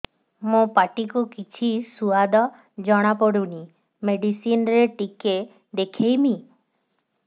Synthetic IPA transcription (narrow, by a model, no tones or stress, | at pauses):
mõpaʈikukit͡ʃʰisuad̪ɔ | d͡ʒɔɽ̃apɔɽuɽ̃i | meɖisinɾeʈike | d̪ekʰejmi